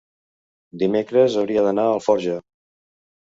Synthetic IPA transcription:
d̪imekɾəzəwɾiəðənaəlˠfɔɾʒə

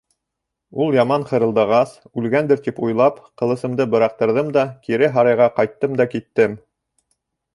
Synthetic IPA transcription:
ulˠjɑmɑnχɤ̆ɾɤ̆lˠd̪ɑʁɑs | ʉlɡænd̪ɘɾt̪ipujlˠɑpqɤ̆lˠɤ̆sɤ̆md̪ɤbɤ̆ɾɑq̚t̪ɤ̆ɾðɤmd̪ɑkiɾɘɦɑɾɑjʁɑqɑjt̪ːɤmd̪ɑkit̪ːɘm

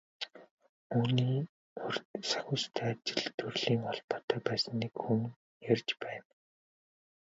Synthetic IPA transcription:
uːniː | ɵrsḁxʲʊːst̪ʰæːat͡ɕɪ̆ɮt̪ʰɵrɮiːŋɔɮpɔ̥ːt̪ʰœːpæːsə̆nːekxuŋ | jarʲt͡ɕpæːn

